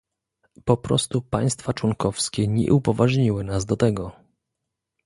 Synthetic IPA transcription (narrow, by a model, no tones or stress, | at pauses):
pɔpɾɔ̰st̪upaj̃st̪fat͡ʂwɔŋkɔfskʲɛɲɛ̰ʔupɔvaʐɲiwɘnazd̪ɔt̪ɛɡɔ